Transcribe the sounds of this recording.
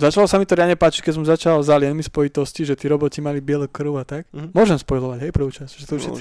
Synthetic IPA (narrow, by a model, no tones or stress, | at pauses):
zat͡ʃalɔsamit̪ɔɾɪjad̪ɲɛpaːt͡ʃi̥c̚kɛs̬ɔmzat͡ʃalzaljɛnmispɔit̪ɔsciʒɛt̪iɾɔbɔcimalibɪɛlɔkrɾ̩ʊat̪akmʊɔʒɛmspɔjlɔʋaɟɦɛjpr̩ʋuːt͡ʃasʒɛt̪uʃɛ